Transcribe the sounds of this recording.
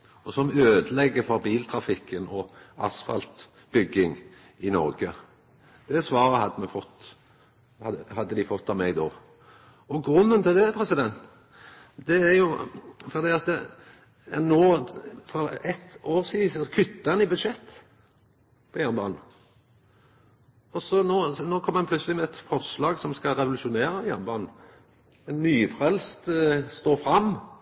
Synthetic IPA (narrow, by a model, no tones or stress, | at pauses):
ɔsɔmøːd̪əlɛɡːəfɔɾbiːlt̪ʰɾɑfɪkːənɔɑ̰sfɑ̰lt̪ | b̥ʏɡːɪŋ | ɪnɔ̰ʁɡə | d̪̥ɛsʋɑːɾəhɑd̪ːəmɛfɔt̪ː | hɑhɑd̪ːəd̪ɪfɔt̪ːɑʋmɛɡd̪o | ɔɡʁʉnːənt̪ɪld̪ɛpʰʁɛsɪd̪ɛnt̪ | d̪̥ɛæʁjʊfɔʁd̪iːɑt̪ə | ɛnoːfɔɾɛt̪oːʁsiːsɔkʰʏt̪ːəɛnɪbʉd̪ʃɛt̪ː | pʰɔjæːʁnbɑ̰ːnn̩ | ɔsɔnoːnoːkʰɔmːəɛnp̪ʰʉt̪səlɪmɛɛt̪fɔʁslɑːɡsɔmskɑɾɛʋʊlʉʃʊneːɾəjæ̰ʁnbɑːnn̩ | ɛnːyːfʁɛlst̪st̪oːfɾɑmː